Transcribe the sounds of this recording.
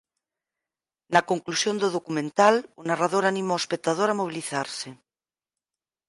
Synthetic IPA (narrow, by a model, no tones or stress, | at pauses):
nakoŋklusjõnd̪oðokumẽnt̪alunaraðoɾanĩmoospek̚t̪að̞oɾamoβiliθaɾse